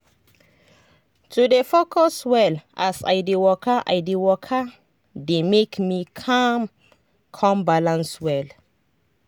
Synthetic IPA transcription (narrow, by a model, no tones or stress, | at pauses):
tʰudefokʰɔswɛlasa̰jdewɔkəʔa̰jdewɔkʰə | demekmikʰãm | kʰɔ̃mbalãnswɛl